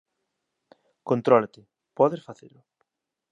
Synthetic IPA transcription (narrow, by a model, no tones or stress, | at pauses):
kont̪ɾɔlat̪ɪ | pɔðesfaθḛlʊ